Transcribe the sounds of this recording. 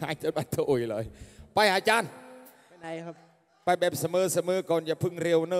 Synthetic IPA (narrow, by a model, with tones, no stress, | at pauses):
aː˨˧˦jt͡ɕaː˧˦n̚ba˧˩t̪ʰo˨ʔo˨˩jlɔː˨˦jpa˧jʔaː˧t͡ɕaː˧˩n˧˦˧ | pa˧˩jbɛː˨˩p̚sa˧mɤː˨˧˦sa˧mɤː˨˦kɔː˨˩nja˨˩pʰɯ˧˩ŋɾe˧əwnɤː˧